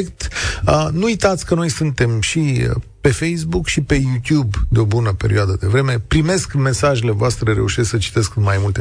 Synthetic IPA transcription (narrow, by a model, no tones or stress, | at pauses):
kt̪ənuujt̪at̪sʲkəno̞jsɨnt̪e̞mʃiəpe̞fe̞js̬bukʃipe̞jut̪jubd̪eo̞bunəpe̞ɾioad̪əd̪e̞vɾe̞me̞pɾime̞skme̞saʒe̞le̞voast̪ɾe̞ɾe̞̰uʃesksət͡ʃi̥t̪e̞skɨnmajmult̪e